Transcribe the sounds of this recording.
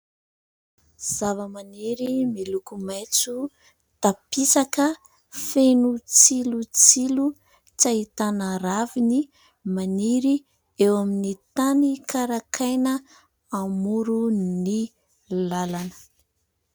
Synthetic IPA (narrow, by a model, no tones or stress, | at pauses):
z̥avəmaniɾimilukumejt͡su | t̪apisakə | fenut͡silut͡silu | t͡saɦit̪anəɾavini | maniɾi | ewaminit̪anikaɾakʰajnə | amuɾuni | lalanə̥